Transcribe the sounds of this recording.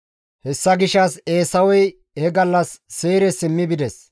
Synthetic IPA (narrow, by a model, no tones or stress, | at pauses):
hɛsːɐɡɪʃɐse̞ːsɐwɔj | hɛɡɐlːɐsːeːɾɛsɪmːɪbɪd̪ɛs